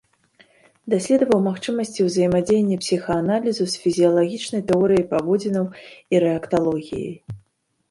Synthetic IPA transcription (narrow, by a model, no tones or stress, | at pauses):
d̪asʲlʲɛd̪vɐwmaxt͡ʂɨmɐsʲt͡sʲiwzɐjmad͡zʲejenʲːɛpsʲixɐːnalʲizusfʲizʲijɐlˠaɣʲit͡ʂnɐjt̪ɛɔɾɨjɐjpavɔd͡zʲinɐwiɾɛɐkt̪alˠɔɣʲḭjɐ̰j